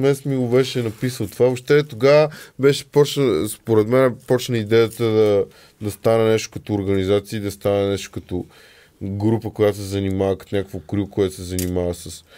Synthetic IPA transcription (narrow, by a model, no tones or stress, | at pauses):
mɛsmiɡobɛʃɛnɐpisəlˠt̪ovavoʃt̪ɛt̪oɡavəbɛʃɛ̥pɔt͡ʃnəspoɾɛd̪mɛnɛpɔt͡ʃnəid̪ɛjət̪əd̪ɐ | d̪ɐst̪anɛnɛʃt̪ʊ̥kɐt̪oːɾɡɐnizat̪siəːid̪ɐst̪anɛnɛʃt̪ʊ̥kɐt̪o | ɡɾupəkojat̪osɛzɐnimavəkət̪onʲakəkvokɾʲukoɛt̪o̥sɛzɐnimavəsɐs